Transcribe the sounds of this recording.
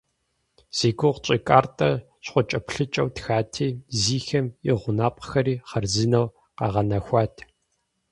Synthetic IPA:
z̥iːɡʷʊʁt͡ʃʼikʼaːrtʼɐ | ɕχʷɔt͡ʃʼɐpɬɨt͡ʃʼɐwtxaːtʰiːziːxɐmɪʁʷʊnaːpʼxɐɾiːχɐrzɨnɐw | qɑ̰ːʁɐnɐxʷɑːtʰ

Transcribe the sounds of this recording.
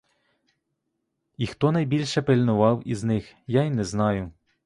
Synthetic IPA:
ixt̪ɔnɐjbʲilʲʃɛpelʲnʊʋɑwḭznɪxjainɛznɑjʊ

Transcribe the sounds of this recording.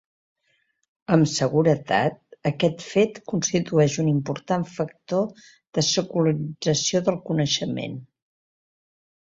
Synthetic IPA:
əmsəɣuɾət̪a̰t̪̚əkɛt̪fet̪kunst̪it̪uɛʃunimpuɾt̪aɱfək̚t̪o | ð̥əsəkuləɾiid͡zəsioðəlˠkunəʃəmḛn

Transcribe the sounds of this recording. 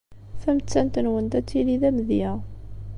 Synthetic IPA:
θæmt͡sːænt̪ənwənd̪æt͡sːiliðæmðjæ

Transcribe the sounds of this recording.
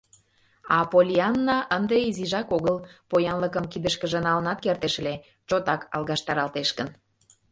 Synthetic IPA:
ɑpolʲiɑnːɑʔənd̪eiziʒɑkoɣəlpojɑnləkəmkid̪əʃkəʒənɑlənɑt̪kert̪eʃle | t͡ɕot̪ɑkɑ̰lˠɣɑʃt̪ɑɾɑlt̪eʃkən

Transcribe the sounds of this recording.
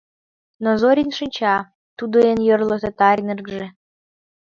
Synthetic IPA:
nozoɾʲinʃɨnʲt͡ɕɑ | t̪ud̪oenjørlɤt̪ət̪ɑɾʲnerɡʒe

